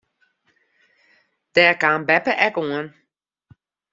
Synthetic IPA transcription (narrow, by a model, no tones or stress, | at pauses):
d̥ɛɐkaːnbɛpəʔɛkuən